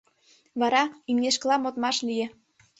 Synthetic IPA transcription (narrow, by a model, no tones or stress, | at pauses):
βɑɾɑynŋeʃ̬klɑmot̪mɑʃlijĕ